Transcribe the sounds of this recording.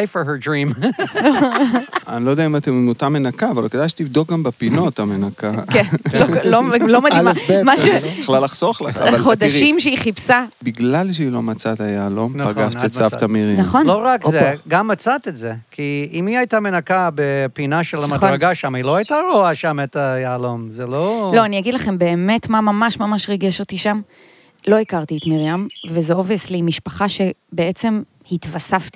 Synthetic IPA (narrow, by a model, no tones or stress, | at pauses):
jfəɹɦɛdɾĩm | anilojdeaimat̪emmut̪amenakaːva̰lked̪ajʃe̥t̪ivd̪ok̚ɡambepino̞t̪amenakaklololomad̪maemaʃebiχlalːaχz̥oχleavalχod̪aʃimʃeiχipsabiɡlalʃeilo̞mat͡sat̪ajaːlo̞mpaɡaʃt̪it͡saft̪amiʁinaχonloʁakzeɡamːat͡sat̪etzekʰiimiajtamenakabepinaʃelamadʁaɡaʃamilo̞ajtaʁoaʃamet̪ajaːlomzelolo̞aniaɡid̪laχe̞mbe̞ːme̞tmamamaʃmamaʃʁeɡeʃot̪iʃam | lo̞ikaʁt̪ietmiʁjamvezeo̞veslimiʃpaχaʃe̞bee̞t͡se̞m | hit̪vasaft̪i̥